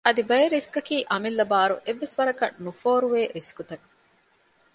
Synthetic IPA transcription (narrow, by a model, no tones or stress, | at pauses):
ɐd̪ibɐjeɾiskɐkiːʔɐmilːɐbaːɾṵʔeʋːesʋɐɾɐkɐ̰nnufoːɾuʋeːɾiskut̪ɐkː